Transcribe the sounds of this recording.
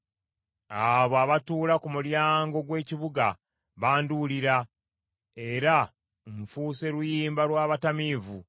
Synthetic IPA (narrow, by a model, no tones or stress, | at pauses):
aβoaβatuːlakumuljaːŋɡo̞ɡwe̞ːciβuɡa | βaːnduliɾa | e̞ɾa | ɱfuːse̞lujiːmbalwaːβatamiːvu